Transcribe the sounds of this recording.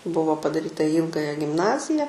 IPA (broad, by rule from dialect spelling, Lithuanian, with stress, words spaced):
ˈbʊʋoː pɐdɐˈrʲiːtɐ iː ˈiːlˠɡɐjɛ ɡʲɪmˈnɑːzʲɪjɛ